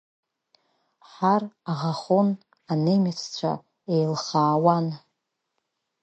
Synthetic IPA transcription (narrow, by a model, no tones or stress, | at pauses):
ħaraʁaχon | anejmat͡sʰt͡ɕʷʰa̰ | ejlχaːwan